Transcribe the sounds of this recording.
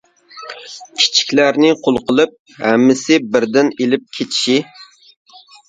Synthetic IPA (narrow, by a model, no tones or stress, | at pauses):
kʲʰi̥t͡ʃʰi̥kʲlæɾnɪqʰolˠqəlˠɨp̚ | hæmːɪsɪbɪɾd̪ɪnelɪp̚kʲʰet̪ʰi̥ʃi